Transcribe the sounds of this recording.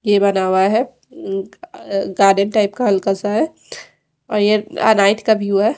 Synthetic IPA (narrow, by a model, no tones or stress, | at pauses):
jebɐnaːwaɦɛ | ɡaːɾɖənʈaːɪpkalkəsaɦɛ | ɔːɾjeɐ̰naːɪt̪ʰkabʱijuɛ